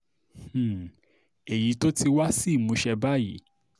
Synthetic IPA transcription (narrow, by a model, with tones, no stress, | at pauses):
e˨ji˨˦to˦ti˧wa˦si˦˨mũ˨˧˦ʃɛ˧ba˦˨jḭ˨˦